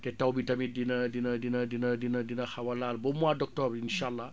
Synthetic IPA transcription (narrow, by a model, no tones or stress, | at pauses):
tɛtawbitamidinɐdinɐdinɐdinɐdinɐdinɐxawalalbomuadɔk̚tɔbinʃalːa